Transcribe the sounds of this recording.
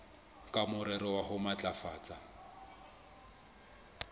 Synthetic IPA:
kʼamʊɾɛɾɔwaɦʊmat͡ɬʼafaːt͡sʼa

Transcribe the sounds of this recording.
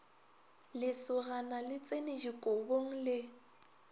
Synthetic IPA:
lɪsʊɣanalɪt͡sʼenɪʒikʼoboŋ̩lɪ

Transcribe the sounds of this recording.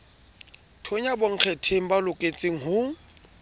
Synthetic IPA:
tʰoɲaboŋ̩k͡xʰɛtʰeŋ̩balʊkʼet͡sʼeŋ̩ɦʊ

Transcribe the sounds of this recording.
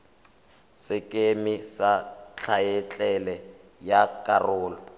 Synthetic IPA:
sɪkʼemɪsat͡ɬʰaɛt͡ɬʼɛlɛ | jakʼarʊːlɔ

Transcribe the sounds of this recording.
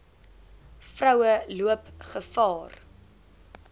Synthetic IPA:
frœwəluəpχəfɑːr

